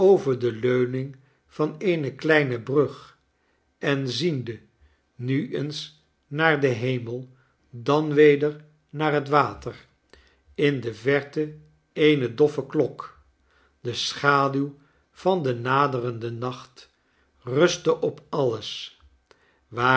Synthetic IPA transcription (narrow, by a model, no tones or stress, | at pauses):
owvəɹdəløɥnɪŋ | v̥ɑnejnəklɛjnəbrɵχ | ʔɛnzində | nyʔəns | naːɹdəɦejməlˠ | dɑnʋejdəɹ | naːɹɦətʋaːtər | ɪndəvɛɹtə | ejnədɔfəklɔk | dəsχaːdyw | v̥ɑndənaːdərəndənɑχt | rɵstəʔɔpɑləs | ʋaː